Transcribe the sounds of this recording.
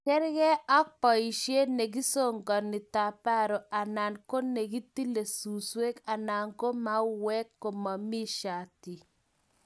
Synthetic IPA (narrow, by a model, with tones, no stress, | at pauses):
kɛ˦ɾɡɛ˦ʔa˦k̚pa˨i˨ʃje˦ne˨ɡi˦so˦˨ŋɡɔ˨nɪ˨ta˨pa˦ɾo˨a˨na˨nko˦ne˨ɡi˦ti˦le˨su˨swe˦ka˨na˨ŋko˦ma˦wɛ˦kːo˨ma˨mi˦ʃa˨ti˨